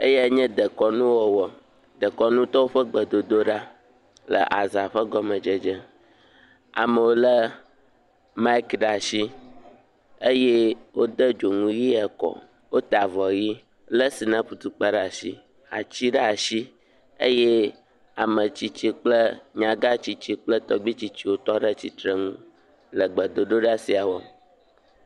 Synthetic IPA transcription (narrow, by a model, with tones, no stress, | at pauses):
e˦je˦ɲɛ̃˦d̪ə˨kɔ˨nũ˦wɔ˨wɔ˨ | d̪ə˨kɔ˨nũ˦t̪ɔ˦wo˦ɸə˦ɡ͡bə˨d̪o˨d̪o˦ɖa˦ | lə̰˨ʔa˨za˨ɸə˦ɡɔ˦mə̃˨d͡ʒə˦d͡ʒə˦ | a̰˨mə̃˨wo˦lə˦ | ma˦i˦kɖa˨ʃi˦ | e˦je˦wo˦d̪ə˦d͡ʒo˨ŋũ˦ji˦ɛ˨kɔ̰˨ | wo˦t̪a˨vɔ˨ɣi˦ | lə˦si˨nã˦ɸu˨t̪u˨k͡pa˦ɖa˨sḭ˦ | a̰˨t͡ɕi˦ɖə˦a˨ʃi˦ | ḛ˦je˦ | a˨mə̃˨t͡ɕi˦t͡ɕi˦k͡plə˦ɲã˨ɡa˦t͡ɕi˦t͡ɕi˦k͡plə˦t̪ɔ˨ɡ͡bi˦t͡ɕi˦t͡ɕi˦wo˦t̪ɔ˦ɖə˦t͡ɕi˨t̪ɾə˦ŋṵ̃˦ | lə˨ɡ͡bə˨d̪o˨ɖo˦ɖa˦si˨a˨wɔ˦